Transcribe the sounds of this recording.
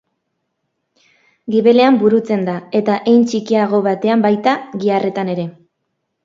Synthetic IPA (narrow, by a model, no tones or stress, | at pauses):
ɡiβe̞le̞ambuɾut͡se̞nd̪ae̞t̪aʔejnt͡ʃikiaɣ̞o̞βat̪e̞ambajt̪aɣiare̞t̪ane̞ɾe̞